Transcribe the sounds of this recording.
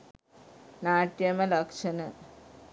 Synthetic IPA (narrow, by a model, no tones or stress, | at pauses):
naːʈjɐmɐlɐkʂɐnɨ